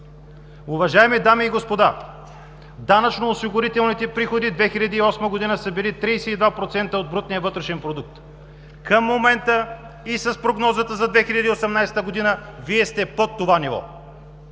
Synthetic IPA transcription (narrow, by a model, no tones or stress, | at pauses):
ʊvɐʒaɛmid̪amiːɡospod̪a | d̪anɐt͡ʃnoːsiɡoɾit̪ɛlˠnit̪ɛpɾixod̪id̪vɛxilʲɐd̪iːɔsməɡod̪inəsəbilit̪ɾijsɛid̪vapɾot̪sɛnt̪əod̪̚bɾut̪nijəvɤt̪ɾɛʃɛnpɾod̪uk̚t̪ | kəmːomɛnt̪ə | isəspɾoɡnɔzət̪əzɐd̪vɛxiʎʲɐd̪iosɛmnajsɛ̥t̪əɡod̪inəviɛst̪ɛpot̪ːovanivɔ̰